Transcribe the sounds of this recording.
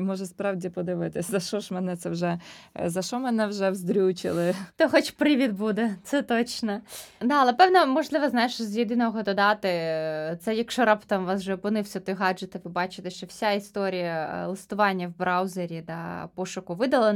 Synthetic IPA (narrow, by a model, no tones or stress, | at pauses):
mɔʒɛspɾɑwdʲipɔd̪ɪʋɪt̪ɪsʲzɐʃɔʃmɛnɛt̪sɛwʒɛzɐʃɔmɛnɛwʒɛwzd̪ɾʲuwt͡ʃɪ̰lˠɪt̪ɔxɔt͡ʃpɾɪʋʲid̪bud̪ɛt̪sɛt̪ɔt͡ʃnɐd̪ɑɐlˠɛpɛwnɐmɔʒlˠɪʋɐznɑjɪʃɔzʲjed̪ɪnɔɦɔɦɔd̪ɔd̪ɑt̪ɪt̪sɛjɐkʃt͡ʃɔɾɑpt̪ɑmʋɑsʒɛɔpʊnɪwsʲɐt̪ɔɦɑd͡ʒɨt̪ɪʋɪbɑt͡ʃɪ̥t̪ɛʃt͡ʃɔwsʲaist̪ɔɾʲijɐlˠɪst̪ʊʋɑnʲːɐwbɾɑwzeɾʲid̪ɐ̰pɔʃʊkʊʋɪd̪ɐlˠɐ